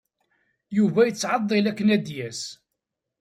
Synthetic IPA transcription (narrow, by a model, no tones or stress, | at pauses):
juvæjət͡sːʕɑd̪ˤːilækːənæd̪jæs